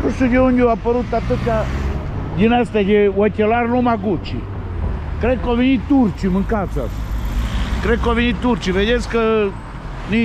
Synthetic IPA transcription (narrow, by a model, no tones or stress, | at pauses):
pusukeuɲd͡ʒuapːəɾut̪ːat̪əkːa | ɟinɛst̪ɛkewɔt̪ʲːelaɾnumakut͡ʃːḭ | kɾɛkːɔvinit̪ːuɾt͡ʃiməŋkat̪sa̰s | kɾɛkːɔvinit̪ːuɾt͡ʃived̪ʲeskə | ni